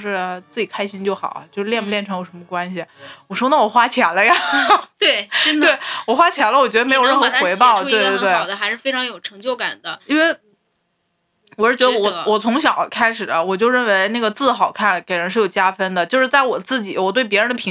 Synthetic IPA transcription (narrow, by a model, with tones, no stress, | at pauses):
ʂɻ̩˥˧˩t͡sɹ̩˥˩t͡ɕi˨˩kʰa˥ɪɕi˥nt͡ɕjo˥˩ʊxɑ̰˨˩˦t͡ɕjo˥˧ʊʂɻ̩˥ljɛ˥˧npə˧ljɛ˥˩nʈ͡ʂʰɤ˧˥ŋjʊʂə˧˥mə˧kwa˥nɕi˨˩wɔ˨˩ʂwɔ˥nə˥˩wɔ˨˩xwa˥t͡ɕʰjɛ˧˥nlə˧jɑ˨˩t̪we˥˩ɪʈ͡ʂə˥d̪we˥˩ɪwɔ˨˩xwa˥t͡ɕʰjɛ˧˥nlə˧wɔ˨˩t͡ɕɥɛ˧˥d̪m˧˥jo˨ʊɻə˥˩nxɤ˧˥˧xwe˧˥ɪpɑ˥˧˩ʊt̪we˥˧d̪twɪ˨˩ʊd̪ə˦xa˧˥ɪʂɻ̩˥˩fe˥ɪʈ͡ʂʰɑ˧˥ŋjo˨˩ʊʈ͡ʂʰɤ˧˥ŋt͡ɕjo˥˩ʊka̰˨˩nd̪ə˦i˥nwe˥˩ɪ | wɔ˨˩ʂɻ̩˥˩t͡ɕɥɛ˧˥ə˧wɔ˨˩wɔ˨˩t͡sʰʊ˧˥ŋɕ̬jɑ˨˩ʊkʰa˥ɪʂɻ̩˨˩d̪ə˦wɔ˨˩t͡ɕjo˥˧ʊɻə˥˩nwe˧˥ɪna˥˩ɡə˩t͡sɹ̩˥˩xɑ˨˩ʊkʰa˥˩nke˨˩ɪɻə˧˥nʂɻ̩˥˩jo˨˩t͡ɕja˥fə˥nd̪ə˨t͡ɕjo˥˧ʊʂɻ̩˥˧t͡sa˥˩wɔ˨˩t͡sɹ̩˥˩t͡ɕi˨˩˦wɔ˨˩t̪we˥˩ɪp̬jɛ˧˥ɻə˧nd̪ə˧pʰi˧˥